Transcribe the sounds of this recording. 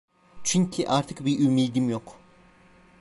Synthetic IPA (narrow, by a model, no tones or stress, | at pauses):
t͡ʃʰyɲcʰiʔaɾt̪ʰɯkbiʔymiːd̪imjok